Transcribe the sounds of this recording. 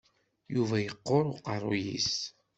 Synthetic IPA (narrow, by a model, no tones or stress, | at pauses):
juvæjəqːoɾʊqɑrˤojḭs